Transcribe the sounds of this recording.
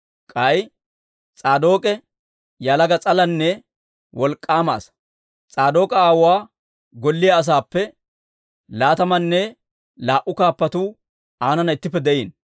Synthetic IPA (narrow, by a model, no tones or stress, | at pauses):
kʼɐj | t͡sʼaːd̪o̞ːkʼɛ | jalɐɡɐt͡sʼɐlɐnːɛ | wɔlkʼːaːma̰ːs | t͡sʼaːd̪o̞ːkʼɐaːwʊwaː | ɡɔlːɪjaːs̬aːpːɛ | laːt̪ɐmɐnːɛ | laːʔʊkaːpːɐt̪uː | aːnɐnɐɪt̪ːɪp̬ːɛd̪ɛʔiːn